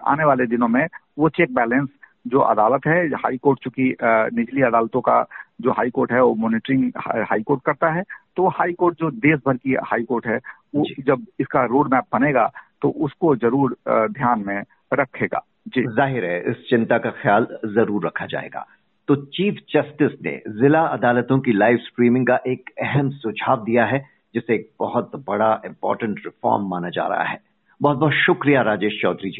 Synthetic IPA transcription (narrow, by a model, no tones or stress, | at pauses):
a̰ːneʋaːled̪ɪnõmẽʋot͡ʃeːk̚bɛːlə̃nsd͡ʒoːʔɐ̰d̪aːlət̪ɦɛha̰ːikoːɾʈ̚t͡ʃũːkinɪd͡ʒliɐd̪aːlt̪õka̰d͡ʒoːɦaːikoːɾʈɦɛʋomɔːnɪʈɾɪ̃ŋɡha̰ːikoːɾʈ̚kɐɾt̪aɦɛt̪ohaːikoːɾʈ̚d͡ʒoːd̪eːsbʱɐɾkihaːikoːɾʈɦɛ | oːd͡ʒɐb̚ɪskaɾoːɖmɛːp̚bɐneːɡa̰ːt̪oʔʊskozɐɾuːɾd̪ʱjaːnmẽ | ɾɐkʰːeːɡa̰ː | d͡ʒiːzaːɦɪɾɦɛʔɪst͡ʃɪ̃nt̪akaxjaːlzɐɾuːɾːɐkʰad͡ʒa̰ːḛːɡa̰ː | t̪oːt͡ʃiːfʰd͡ʒɐsʈɪsnḛzɪlaɐd̪aːlət̪õkilaːɪʋskɾiːmɪ̃ŋɡkaʔeːkɛɦɛmsʊd͡ʒʱaːʋd̪ijaɦɛ | d͡ʒɪseeːk̚b̥ɐɦʊt̪bɐɽaɪ̃mpɔ̰ːɾʈə̃ɳʈɾɪfɔ̰ːɾmːaːnad͡ʒa̰ːɾɐ̰ɦa̰ɦɛː | bɐɦɔt̪̚bɔɦːt̪ʃʊkɾijaɾaːd͡ʒeːʃt͡ʃɔːd̪ɾid͡ʒiː